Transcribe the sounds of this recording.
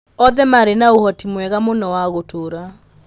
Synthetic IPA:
ɔðɛmaɾenaohɔtimwɛɣamonɔwaɣotoɾa

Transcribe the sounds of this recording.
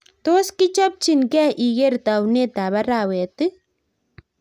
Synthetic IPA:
t̪oskit͡ʃɐb̚t͡ʃinkɛʔiɡeɾt̪awnet̪aβaɾawet̪ɨ

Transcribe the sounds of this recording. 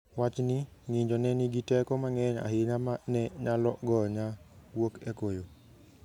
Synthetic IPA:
wat͡ʃniŋiɲd͡ʒɔnɛniɡitɛkɔmaŋɛɲa̰ɦɪɲamanɛɲalɔɡɔɲawokɛkojo

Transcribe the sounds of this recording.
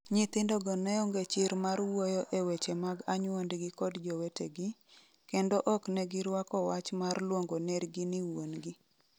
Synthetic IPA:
ɲit̪ɪndɔɡɔnɛɔŋɡet͡ʃɪɾmarwojɔʔewet͡ʃemaɡaɲwondɡɪkɔdd͡ʒɔweteɡɪ | kendɔʔɔknɛɡɪɾwakɔwat͡ʃmarlwoŋɡonɛɾɡɪnɪwonɡɪ

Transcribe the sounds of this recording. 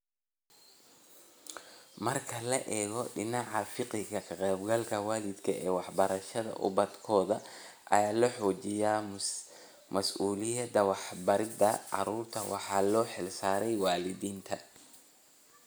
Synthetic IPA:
mɐrkʰɐlɐʔɛːɣɔɖɪnɑʕɑfɪqɪɣɐkʰɐqɛːbɡɐlkʰɐwaːlɪd̪kʰɐʔɛːwɑħbɐɾɐʃɐðɐ̰ʔʊ̰bɐd̪kʰɔːðɐ | ʔɐ̰jaːlɔħɔːt͡ʃɪja | mɐsʔuːlɪjɐd̪ɐwɑħbɐɾɪd̪ɐɑ̰ɾuːrt̪ʰɐwɑ̰ħɑːlɔːħɪlsaːɾɛjwɑːlɪðiːnt̪ʰɐ

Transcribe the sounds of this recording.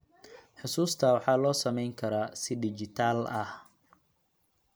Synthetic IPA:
ħʊsuːst̪ʰɐwɑħɑːlɔːsɐmɛjŋkʰɐɾaːsɪɖɪt͡ʃɪt̪ʰaːlɐh

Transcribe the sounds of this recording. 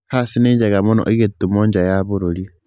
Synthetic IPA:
hasineɲd͡ʒaɣamonɔ̰ʔiɣetːumɔɲd͡ʒajaβoɾoɾie

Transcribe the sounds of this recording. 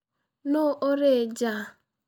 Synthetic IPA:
nʊʔoɾɪd͡ʒa

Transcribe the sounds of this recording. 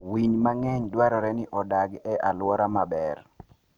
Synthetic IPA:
wiɲmaŋɛɲdwaɾɔɾɛnɪʔɔdaɡɛʔalwɔɾamabɛr

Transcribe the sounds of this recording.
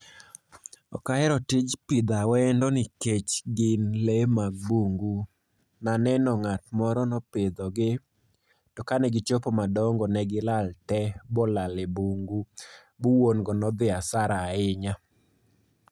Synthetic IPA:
ɔ̰kaɛɾɔtɪd͡ʒpɪd̪awɛndɔnɪket͡ʃɡɪnlemaɡ̚buŋɡu | nanɛnɔŋatmɔɾɔnɔpɪd̪ɔɡɪ | tɔkanɛɡɪt͡ʃopɔmadɔŋɡɔnɛɡɪlaltɛbɔlalebuŋɡu | buwonɡɔnɔd̪ɪasaɾaːɪɲa

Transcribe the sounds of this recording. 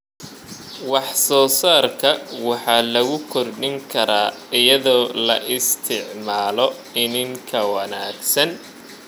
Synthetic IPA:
wɑħsɔːsaːrkʰɐwɑħɑːlɐɣʊkʰɔrɖɪŋkʰɐɾaːɪjɐðɔːlɐ̰ʔɪst̪ʰɪʕmaːlɔ | ɪnɪŋkʰɐwɐnaːɡsɐn

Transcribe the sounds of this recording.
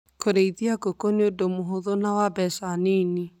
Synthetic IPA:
kʰoɾeiðiaɡokoneodomoɦoðonawabɛsaneni

